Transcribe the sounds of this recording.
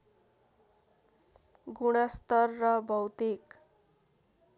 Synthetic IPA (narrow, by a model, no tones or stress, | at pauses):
ɡuɽ̃ast̪ʌrːʌbʱʌwt̪ik